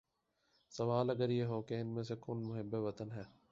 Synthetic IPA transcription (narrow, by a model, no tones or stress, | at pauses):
sɐʋaːlɐɡəɾjeːɦoːkeɪnmẽːs̬ekʊnmʊɦɪbːeʋɐt̪ənɦɛː